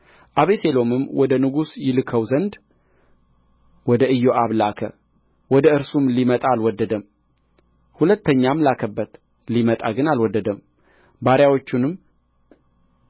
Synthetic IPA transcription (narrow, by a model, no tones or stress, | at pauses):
ʔaβese̞lo̞mɨmwɔd̪ənɨɡusjɪlɨkʰəwzənd̪ | wɔd̪əʔɨjːoʔaβlakʰə̰ | wɔd̪əɨɾsumlimət̪ʼaːlwɔd̪ːəd̪əm | hulət̪ːəɲːamlakʰəbːət̪ | limət̪ʼa̰ɡɨnalwɔd̪ːəd̪əm | baɾjawo̞t͡ʃːunɨm